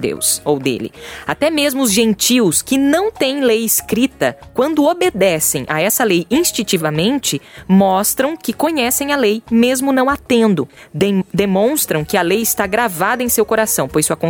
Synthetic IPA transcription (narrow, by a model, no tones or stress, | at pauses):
d̪ḛwsowd̪ḛlɪ̰at̪ɛmezmʊʊzʒẽnt͡ʃiwskɪnɐ̃w̃t̪ẽj̃lejɪskɾit̪ɐkwɐ̃nd̪ʊobed̪ɛsẽj̃ʔa̰ɛsɐlejĩst͡ʃĩt͡ʃivɐmẽnt͡ʃɪmɔst̪ɾɐ̃w̃kɪkõɲɛsẽj̃ɐlejmezmʊnɐ̃w̃at̪ẽnd̪ʊd̪emõst̪ɾɐ̃w̃kɪɐlejɪst̪aɡɾavad̪ɐẽsewkoɾasɐ̃w̃pojsʊakõ